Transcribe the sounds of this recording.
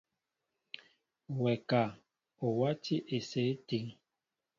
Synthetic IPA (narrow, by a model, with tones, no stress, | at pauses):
wɛ˨ka˨ | o˨wa˦tʰi˦ʔe˨se˨˦ti˨ŋ